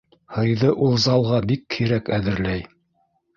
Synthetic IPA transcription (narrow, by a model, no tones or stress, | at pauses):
hɤ̆jðɤʔulˠzɑlˠʁɑbikːiɾækæðɘ̆ɾlæj